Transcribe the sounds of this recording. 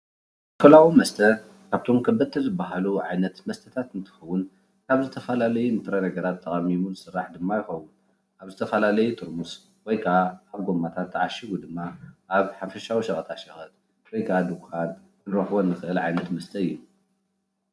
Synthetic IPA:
kʰɐlawumɐst̪ʰɐ | kʰaβt̪ʰo̞mkʰɐbːɐt̪ʰːɨzɨbːaɦaluʕajnɐt̪mɐst̪ʰɐt̪ʰat̪ɨnt̪ʰɨ̥xɐwːʊn | kʰaβzɨt̪ʰɐfɐlalɐjunɨt̪ʼɾɐnɐɡɐɾat̪ʰːɐχʼɐmimuzɨsɨrːaħd̪ɨmːajɪxɐwːʊn | ʔaβzɨt̪ʰɐfɐlalɐjut̪ʰɨɾmus | wɔjkʰaaβɡomːat̪ʰat̪ʰːɨʕaʃiɡud̪ɨmːaʔaβħafɐʃawiʃɐχʼɐt̪ʰaʃɐxɐt̪̚ | wɔjkʰaad̪ukuad̪ | kɨɾɐħwonːɨxɨʔɨlʕajnɐt̪mɐst̪ʰɐɨjːu

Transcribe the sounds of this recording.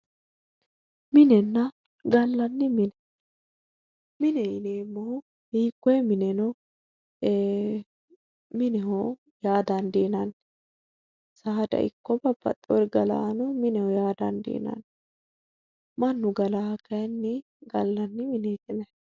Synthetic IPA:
mɪnɛnːɐ | ɡɐlːɐnːɪmɪnɛ | mɪnɛɪneːmːɔhʊ | hiːkːɔjɛmɪnɛnɔ | mɪnɛhɔ | jaːd̪ɐnd̪iːnɐn | saːd̪ɐ̰ʔɪ̰kːɔbɐbɐ̰t̪ʼːɔɾɡɐla̰ːnɔmɪnɛhɔjaːd̪ɐnd̪ḭːnɐ̰n | mɐnːʊɡɐlakɐjɐnːɪ | ɡɐlːɐnːɪmɪnet̪ʼɪnɛ

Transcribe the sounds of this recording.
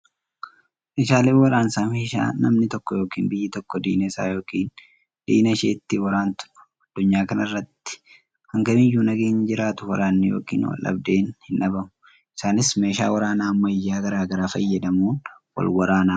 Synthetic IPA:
mɪʃaːleːwɐɾaːnsaːmeːʃa̰ːnɐmnɪt̪ɔkːɔjo̞ːkḭːnbɪjːɪt̪ɔkːɔd̪ḭːnɛsa̰ːjo̞ːkiːn | d̪̥ḭːnɐʃeːt̪ːɪwɐɾaːnt̪ʊ̥ʊ̥ | ɐd̪̥ːʊɲːaːkɐnɐrːɐt̪ːɪ̥ | hɐŋɡɐmɪjːuːnɐɡeːɲd͡ʒɪɾaːt̪ʊwɐ̰ɾaːnːɪjo̰ːkḭːnwɐ̰lʔɐ̰bd̪e̞ːnhɪnʔɐbɐmʊ | ʔɪsaːnɪsme̞ːʃa̰ːwɐɾaːnaːmːɐɪjːaːɡɐɾaːɡɐɾaːfɐjːɐd̪ɐmuːn | wɐ̰lwɐɾaːnaː

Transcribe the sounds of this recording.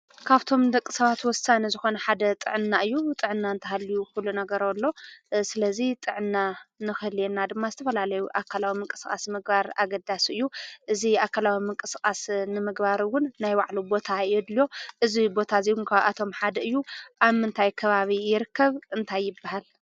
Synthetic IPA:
kʰaβt̪ʰo̞md̪ɐkʼːɨsɐβat̪wɔsanizɨxo̞nɐħad̪ɐt̪ʼɨ̰ʕɨnːaʔɨjːut̪ʼɨʕɨnːaɨnt̪ʰɐhalːijukulunɐɡɐɾolːo̞sɨlɐzit̪ʼɨʕɨnːanɨxɨlenːad̪ɨmːazɨt̪ʰɐfɐlalɐjuʔakʰːalawimɨŋkʼɨ̥skʼa̰smɨɡbaɾa̰ɡɐd̪asɨjːuʔɨziakːalawimɨŋkʼɨskʼasnɨmɨɡbaɾwʊnːajwaʕlubo̞t̪ʰajɛd̪ljo̞ʔɨzibo̞t̪ʰaziwʊnkʰaβat̪ʰo̞mħad̪ɐɨjːuʔaβmɨnt̪ʰajkʰɐβaβijɪɾɨkʰːɐβɨnt̪ʰajːɪbːaɦal

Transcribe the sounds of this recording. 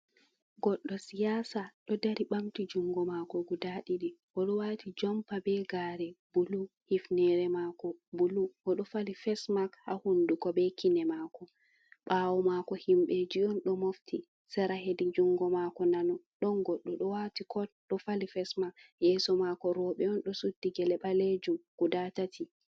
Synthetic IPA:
ɡɔɗːɔsijaːsaɗɔdaɾiɓamtid͡ʒuŋɡɔmakɔɡudaɗiɗiʔɔɗɔwaːtid͡ʒɔmpabɛɡaɾɛbulu | hifnɛɾɛmakɔbuluʔɔɗɔfalifɛsmakha̰hundukɔbɛkinɛmakɔ | ɓawɔmakɔhimɓɛd͡ʒiɔnɗɔmoftʰi | sɛɾaɦedid͡ʒuŋɡɔmakɔnanɔɗɔnɡɔɗːɔɗɔwatikʰɔɗɔfalifɛsmakjɛsɔmakɔɾɔɓɛɔnɗɔsudːiɡɛlɛɓaled͡ʒumɡ̥udatatʰi

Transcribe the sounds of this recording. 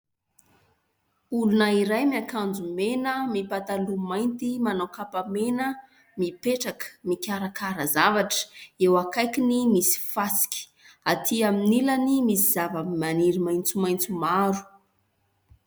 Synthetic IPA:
ulunəiɾajmiakand͡zumenəmipat̪alumajnt̪imanawkapamenə | mipeʈ͡ʂakə̥mikʲaɾakʰaɾəzavaʈ͡ʂə̥ewakajkinimisi̥fasi̥kʲi̥ | at̪ʰiaminilənimisizavəmimaniɾimajnt͡sumajnt͡sumaɾu̥

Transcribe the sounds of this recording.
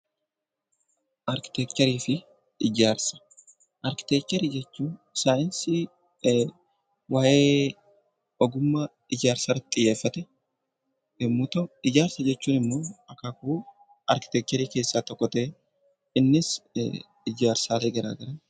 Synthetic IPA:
ʔɐɾkɪ̥t̪ekt̪ɐɾiːfɪ | ɪd͡ʒaːɾsɐ̥ | ʔɐɾkɪ̥t̪ekt̪ɐɾid͡ʒɛt͡ʃːuːnsaːjɪnsɪ | waːjeː | ɔɡʊmːɐ | ɪd͡ʒaːɾsɐɾɐt̪ʼːɪjːeːfːɐt̪ɛ | ɪmːʊt̪ɔɪd͡ʒaːɾsɐd͡ʒɛt͡ʃːuːnɪmːoɐkakuː | ʔɐɾkɪ̥t̪ɛk̚t͡ʃ̪ɛɾiːke̞ːsːat̪ɔkʼːɔt̪eː | ɪnːɪs | ɪd͡ʒaːɾsaːleːɡɐɾa̰ːɡɐɾɐn

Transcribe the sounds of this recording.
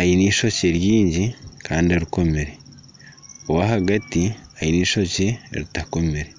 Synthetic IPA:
ajiniːʃo̞ceɾjiːɲɟikʰaːndioɾiko̞meɾe̞ | owahaɡatiajiniːʃo̞cḛɾitako̞meɾe̞

